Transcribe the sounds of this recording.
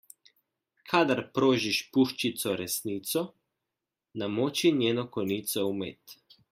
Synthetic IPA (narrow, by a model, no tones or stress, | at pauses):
kʰad̪aɾpɾoːʒiʃpuʃt͡ʃit̪sɔɾɛsniːt̪sɔ | namoːt͡ʃinjeːnɔkɔniːt̪sɔumeːt̪